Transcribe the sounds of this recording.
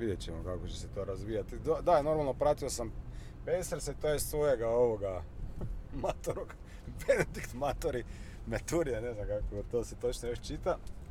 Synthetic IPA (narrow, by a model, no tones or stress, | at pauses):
ʋid̪je̞t͡ɕemokakot͡ɕe̞set̪o̞ːɾazʋijat̪id̪od̪ano̞ɾmalˠno̞pɾat̪io̞sam | pejseɾset̪ojessʋo̞je̞ɡao̞ʋoɡa | mat̪oɾoɡ | bened̪ikt̪mat̪oɾi | met̪uɾijane̞znamkakot̪oːse̞t̪ot͡ʃnojoʃt͡ʃit̪a